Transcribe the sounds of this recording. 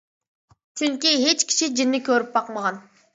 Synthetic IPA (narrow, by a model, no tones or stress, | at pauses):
t͡ʃʰyŋkʲiɦe̞t͡ʃkʲi̥ʃid͡ʒɪnːɪkʲøɾyp̚bɑqmɑʁɑn